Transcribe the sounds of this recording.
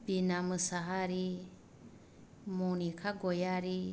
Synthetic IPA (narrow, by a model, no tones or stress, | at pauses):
binamɯsaɦaɾi | munikʰaɡɔjaɾi